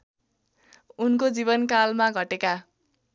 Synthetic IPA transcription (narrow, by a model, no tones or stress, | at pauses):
unkod͡zibʌnkalmaɡʱʌʈeka